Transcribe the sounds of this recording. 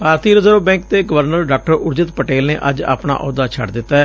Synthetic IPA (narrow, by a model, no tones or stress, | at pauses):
paːɾt̪iːɾəzəɾoːbɛ̃ːŋk̚t̪eːɡəʋəɾnəɾɖaːk̚ʈəɾʊɾd͡ʒɪt̪pəʈeːlneːʔə̰d͡ʒa̰ːpna̰ːʔɔ̰ːd̪aːt͡ʃʰə̰ʈd̪ɪt̪ːaɛː